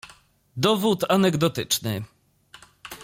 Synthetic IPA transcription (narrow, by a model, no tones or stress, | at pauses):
d̪ɔvut̪anɛɡd̪ɔt̪ɘt͡ʂnɘ